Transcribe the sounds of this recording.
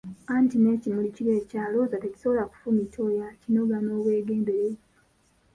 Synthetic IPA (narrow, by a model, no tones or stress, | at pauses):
antine̞cimuliciɾe̞caːlo̞zateci̥so̞βolaku̥fumitʰo̞jacino̞ɡano̞ːβwe̞ːɡe̞ːmbe̞ɾe